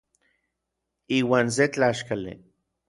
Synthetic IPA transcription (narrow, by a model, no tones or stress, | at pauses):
iːwaːns̬et͡ɬaːʃkalḭ